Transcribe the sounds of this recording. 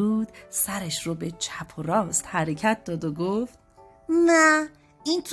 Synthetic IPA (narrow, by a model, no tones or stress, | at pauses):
uːd̪̥sæɾeʃɾobe̞t͡ʃʰæpʰoɾɒːst̪hæɾecʰæt̪̚d̪ɒːd̪oɡoft̪̚ | mæ | int̪ʰ